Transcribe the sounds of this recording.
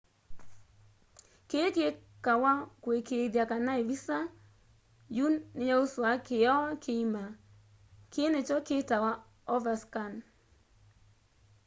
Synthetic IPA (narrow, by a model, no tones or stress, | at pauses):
keke | kawakwekeðjakanaevisa | junːɪjaoswakeɔkʰeima | kʰenet͡ʃɔketawa | ɔvaskan